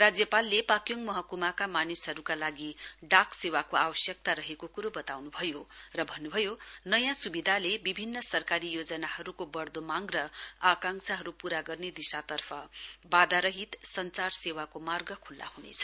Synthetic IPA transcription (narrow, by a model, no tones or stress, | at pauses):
rad͡zjʌpalːepakjoŋɡmʌɦʌkumakamanisɦʌɾukalaɡiɖaksewakoawʌsjʌk̚t̪aɾʌɦekokuɾobʌt̪awnubʱʌjorʌbʱʌnːubʱʌjonʌjãsubid̪ʱalebibʱinːʌsʌrkaɾijod͡zʌnahʌɾukobʌrd̪omaŋrʌakaŋsʰaɦʌɾupuɾaɡʌrned̪isat̪ʌrpʰʌbad̪aɾʌɦit̪sʌnt͡sarsewakomarɡʌkʰulːa̰hunḛt͡sʰʌ̥